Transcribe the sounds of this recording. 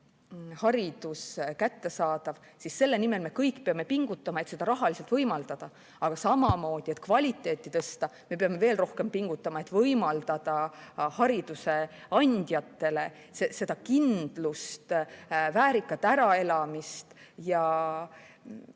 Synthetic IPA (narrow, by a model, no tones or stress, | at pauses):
hɑɾid̪̥uskæt̪ːe̞sɑːd̪̥ɑv | sisse̞lːe̞nime̞lme̞kɤjkːpeɑme̞piŋɡ̥ut̪ːˑɑmɑet̪sed̪ɑɾɑɦɑlise̞lt̪vɤjmɑld̪̥ɑd̪̥ɑ | ɑɡ̥ɑsɑmɑmo̞ːd̪̥ie̞t̪̚kvɑlʲit̪ːˑe̞ːt̪ˑːit̪ɤ̞st̪ɑme̞peɑme̞ve̞ːlro̞hke̞mpiŋɡ̥ut̪ˑːɑmɑe̞t̪ːˑvɤjmɑld̪̥ɑd̪̥ɑhɑɾid̪̥use̞ | ɑnʲd̪̥ʲjɑt̪ˑːe̞le̞ | sese̞d̪̥ɑkind̪̥lust̪væːɾikːˑɑt̪ːˑæɾɑe̞lɑmist̪jɑ